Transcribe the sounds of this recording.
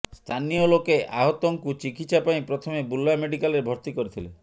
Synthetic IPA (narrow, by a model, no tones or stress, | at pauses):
st̪ʰaniolokeʔʔaɦɔt̪ɔŋkut͡ʃikit͡ʃʰapaĩpɾɔt̪ʰɔmebulːameɽikalɾebʱɔɾt̪ikɔɾit̪ʰile